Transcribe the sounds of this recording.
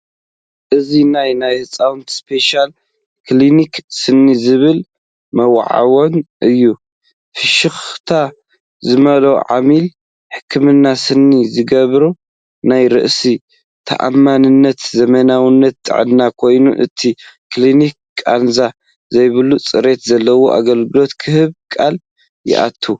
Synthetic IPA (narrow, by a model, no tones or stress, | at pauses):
ʔɨzinajnajhɨt͡sʼawnt̪ʰspʰe̞ʃal | kʰliniksɨnːizɨβɨl | mɐw̰ʕa̰wonʔɨjːu | fɨʃɨxt̪ʰa | zɨmɐlowʕa̰mil | ħɨ̥kʰːɨmɨnːasɨnːizɨɡɐβɾu | najɾɨʔsi | t̪ʰɐ̰ʔa̰mːanɨnːɐt̪zɐmɐnawinːɐt̪ʰʼːɨ̰ʕɨ̰nːakʰo̞jnṵʔɨ̰t̪ʰiklinik | kʼanza | zɐjβɨlut͡sʼɨɾe̞t̪zɐlːɐwoʔa̰ɡɐlɡɨlo̞t̪kʰɨhɨβkʼal | jɪ̰ʔa̰t̪ʰːu